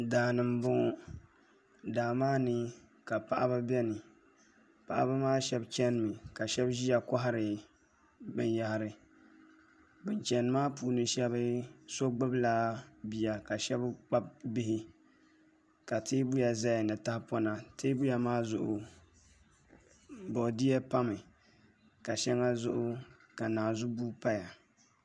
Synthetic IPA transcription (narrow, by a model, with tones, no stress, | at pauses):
daː˨nɨ˨mbʊ˦ | daː˨maː˦nɨ˦ | ka˨pa˦˨ʔa˦ba˦bɛ˦nɨ˨ | pa˨ʔa̰˦ba˦maː˦ʃɛ˦bt͡ʃɛ˦nɨ˨mɨ˨ka˨ʃɛ˦bʒi˦ja˨kɔ˦ɦa˦ɾɨ˨ | bɨ˦n˦ja˦hɪ˨ɾɨ˨ | bɨ˦nt͡ʃɛ˨n˦maː˦puː˨nɨ˦ʃɛ˦βɨ˦so˦ɡ͡bɨ˦blaː˦bi˨ja˨ka˨ʃɛ˦bk͡pa˦bbɪ˦hɪ˦ | ka˨tʰiː˦bu˦ja˨za˦ja˨nɨ˨ta˦hpɔ˦na˨te˦bu˦ja˨maː˦zʊ˨ʔʊ̰˨ | bɔ˨di˦jɛ˦pa˦mɨ˨ | ka˨ʃɛ˦ŋa˦zʊ˦ʔʊ˦ | ka˨naː˨zʊ˦bu˦pa˦ja˨